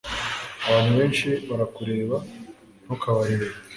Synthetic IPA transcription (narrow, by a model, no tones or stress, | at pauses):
aβaːn̥huβe̞ːnʃiβaɾakuɾe̞ːβa | nhokaβaɾiɾe